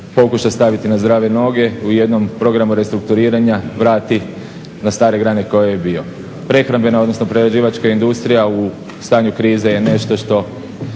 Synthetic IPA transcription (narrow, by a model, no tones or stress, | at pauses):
po̞kuʃast̪aʋit̪inazd̪ɾaːʋeno̞ɡe̞uje̞d̪no̞mpɾo̞ɡɾamuɾe̞st̪ɾuk̚t̪uɾiːɾaɲaʋɾaːt̪i | nast̪aːɾe̞ɡɾane̞ko̞jejebio̞ | pɾe̞xɾambe̞naod̪no̞sno̞pɾeɾed͡ʑiːʋat͡ʃkaind̪ust̪ɾijau | st̪aːɲukɾiːzeje̞ne̞ʃt̪o̞ʃt̪o̞